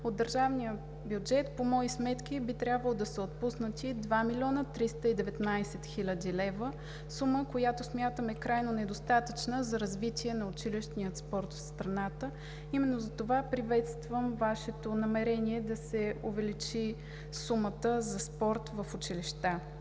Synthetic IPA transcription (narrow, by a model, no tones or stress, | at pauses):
od̪d̪əɾʒavnijə | bjud͡ʒɛt̪pomɔismɛt̪k̟ibit̪ɾʲabvəlˠod̪ɐsɛot̪̚pusnət̪ʲid̪vamilʲiɔnət̪ɾist̪əid̪ɛvɛt̪najsɛt̪xilʲəd̪ʲilɛvə | suməkojat̪osmʲjat̪əmɛkɾajnonɛd̪ost̪at̪ət͡ʃnəzɐɾɐzvit̪ʲʰiɛnɐʊt͡ʃiliʃt̪nijət̪spɔɾt̪fst̪ɾɐnat̪ə | imɛnːozɐt̪ovapɾivɛt̪st̪vəmvaʃɛt̪onɐmɛɾɛniɛd̪ɐsɛovɛlit͡ʃi | sumət̪əzɐspɔɾt̪vəfʊt͡ʃiliʃt̪a